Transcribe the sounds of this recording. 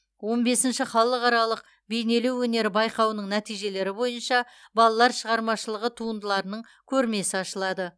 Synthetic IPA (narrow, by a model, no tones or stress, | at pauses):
wo̞nbe̞sɪnʃɪχɑlˠəqɑɾɑlˠəq̚ | be̞jne̞lewːɵne̞ɾɪbɑjqɑwnəɴnæt̪ijʒe̞le̞ɾɪbo̞jənʃɑbɑlˠɑlˠɑɾʃəʁɑɾmɑʃəlˠəʁət̪ʰuənd̪əlˠɑɾənəɴ | kʲʰɵɾme̞sɪɑʃəlˠɑd̪ə